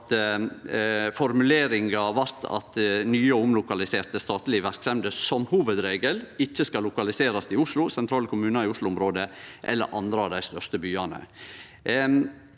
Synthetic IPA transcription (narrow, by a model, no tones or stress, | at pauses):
t̪ | fɔɾmʉleːɾɪŋɑʋɑɾt̪ʰɑ̰t̪nyːəɔʊmlʊkɑlɪseːɾt̪əst̪ɑːt̪lɪʋæɾksɛmd̪əsɔmhuːʋəd̪ɾeːɡəlɪçːəskɑlːʊkɑlɪseːɾɑsɪʊʂlʊsɛnt̪ʰɾɑːlkʰʊmʉːnɑɪʊʂlʊʊmɾoːd̪əʔɛ̰lːə̰ɾʔɑ̰nd̪ɾəɑʋd̪æɪst̪œʂt̪əbyːɑnə̰